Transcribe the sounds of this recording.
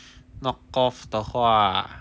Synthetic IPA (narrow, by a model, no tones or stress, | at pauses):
nɔkːɔft̪ɔkʰa